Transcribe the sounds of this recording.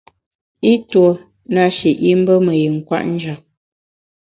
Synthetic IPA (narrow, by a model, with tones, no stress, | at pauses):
i˦two˨ | na˦ʃi˨ʔi˦m̩˦bə˦mə˨ji˨ŋ̩˨kwa̰˦˨ʔn̩˦d͡ʒa˨